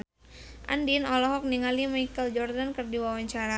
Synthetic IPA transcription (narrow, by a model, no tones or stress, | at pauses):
ʔa̰ndinɔlɔɦɔk̚niŋalimajkəld͡ʒɔrdankərdiwawaɲt͡ʃaɾa